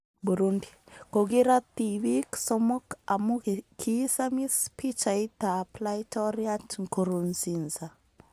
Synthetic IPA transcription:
buɾundikoɡiɾat̪iwiksɔmɔkamukʰisamispit͡ʃait̪aplaitɔɾiatŋkoɾunsinza

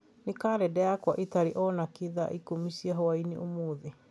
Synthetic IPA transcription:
nekaɾɛdɛakwaʔetaɾiʔɔnakeða̰ʔikomisiaɦɔwainḛʔomoːðe

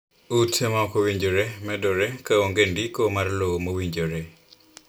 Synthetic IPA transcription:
utʰɛmakowiɲd͡ʒoɾɛmɛdɔɾɛkaoŋɡendikomarlomowiɲd͡ʒoɾɛ

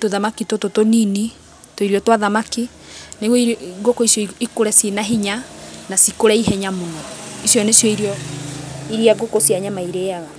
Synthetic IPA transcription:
toðamakitototonini | toiɾiɔtwaðamaki | neɣiɡokoisjɔiikoɾɛsinaɦiɲanasikoɾɛiɦɛɲamonɔisjɔnesjɔiɾiɔ | iɾiaɡokosiaɲamaiɾeaɣa

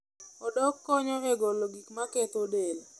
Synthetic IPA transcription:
ɔdɔkːɔɲɔɾɛɡɔloɡikmaket̪odel

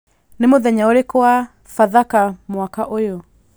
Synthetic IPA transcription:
nɪmʊðɛɲaolekɔa | faðakamwakaʔojɔ

